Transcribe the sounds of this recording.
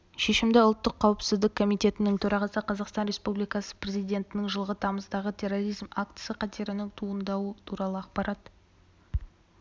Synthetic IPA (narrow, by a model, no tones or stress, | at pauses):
ʃe̞ʃɪmd̪ɪʊlˠt̪ːəqʰːɑwɪpsɪzd̪ɪkʰo̞mijt̪e̞t̪ɪnɪŋt̪ʰɵɾɑʁɑsəqʰɑzɑqst̪ɑnɾʲe̞spublˠijkɑsə̥prʲe̞zijd̪ʲe̞nt̪ɪnɪŋʒəlˠʁət̪ʰɑməzd̪ɑʁət̪ʰe̞ro̞ɾijzmakt̪sɨjaqʰɑt̪e̞ɾɪnɪŋt̪ʰuənd̪ɑwət̪ʰuɾɑlˠəɑqpɑɾʔɑt̪